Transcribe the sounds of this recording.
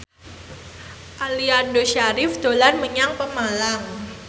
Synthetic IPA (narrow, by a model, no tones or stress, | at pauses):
ʔaliandoʃaɾɪfd̪̥olanməɲaŋpəmalaŋ